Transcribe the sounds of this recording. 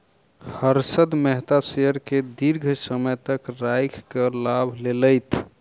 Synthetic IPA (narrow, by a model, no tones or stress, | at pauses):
həɾsəd̪mɛɦt̪aseəɾked̪iɾɡʱsəməjt̪əkɾajkʰkəlabʱleləjt̪ʰ